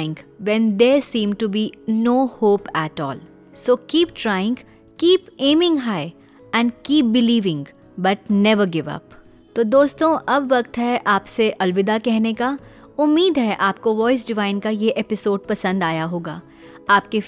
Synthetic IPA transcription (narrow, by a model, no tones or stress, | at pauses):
ɪ̃ŋɡʋɛ̃nd̪eːsĩːmʈubinoːhoːpæʈɔ̰ːl | soːkiːp̚ʈɾaːɪɪ̃ŋɡ | kiːpẽːmɪ̃ŋɡɦaɪ | ɛ̃ɳɖkiːp̚bɪliːʋɪ̃ŋɡ | bɐʈ̚nɛʋəɾɡɪʋɐ̰p | t̪oːd̪oːst̪õʔɐbʋɐkt̪ɦɛʔaːpseʔɐlʋɪd̪akɛɦneka | ʊmːiːd̪ɦɛʔaːp̚koʋɔːɪs̬ɖɪʋaːɪ̃nkajeʔɛpɪsoːɖ̚pɐsə̃nd̪aːjaɦoːɡaː | aːp̚ke